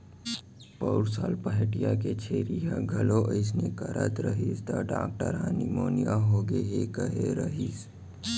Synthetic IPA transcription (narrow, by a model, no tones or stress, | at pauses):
pəʊɾsaːlpəɦʈijaket͡ʃʰeːɾiɦaɡʱɐloʔəɪs̬nekəɾət̪ɾəɦist̪əɖa̰ːk̚ʈəɾɦaːnimoːnijaɦoːɡeɦekəɦeɾəɦis